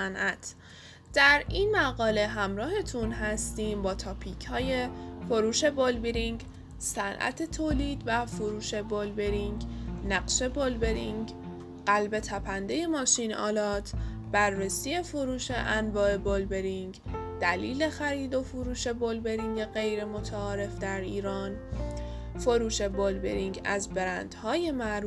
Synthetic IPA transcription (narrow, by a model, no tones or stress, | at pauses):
ænʔæt̪ʰ | d̪̥æɾinmæɣɒːle̞ɦæmɾɒːɦe̞t̪ʰunɦæst̪iːmbɒːt̪ʰɒːpʰicʰhɒːje̞foɾuːʃe̞bolbeɾiŋɡ | sænʔæ̰t̪ʰe̞t̪ʰoːliːd̪væfoɾuːʃe̞bolbeɾiŋɡnæɡʃe̞bolbe̞ɾiŋɡ | ɢælbe̞t̪ʰæpʰænd̪e̞je̞mɒːʃinɒ̰ːlɒːt̪ʰ | b̥æɾːesiːje̞foɾuːʃe̞ʔænvɒːe̞bolbe̞ɾiŋɡd̪̥æliːle̞xæɾiːd̪o̞foɾuːʃe̞bolbe̞ɾiŋɡe̞ɣe̞jɾe̞mot̪ʰæɒːɾe̞fd̪æɾiːɾɒːn | foɾuːʃe̞bolbḛɾiŋɡæzbe̞ɾænd̪̥hɒːje̞mæɾ